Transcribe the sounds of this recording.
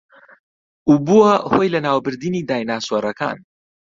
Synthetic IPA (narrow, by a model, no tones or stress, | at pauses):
ubuwɐhojlɐnaːwbɨɾd̪inid̪aːjnaːswɐɾɐka̰ːn